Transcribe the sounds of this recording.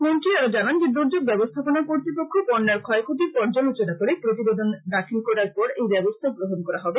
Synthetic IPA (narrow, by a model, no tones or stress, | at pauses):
menʈiod͡ʑanand͡ʑed̪uɾd͡ʑob̚bɛbost̪ʰaponakoɾt̪ɾipokʰːopɔɾnːaɾkʰɔekʰot̪iɾpɔɾd͡ʑalut͡ɕenakoɾepɾot̪̬ibed̪ond̪akʰinkɔɾaɾpɔɾejbɛbost̪ʰabɾoɦonkɔɾaɦɔbe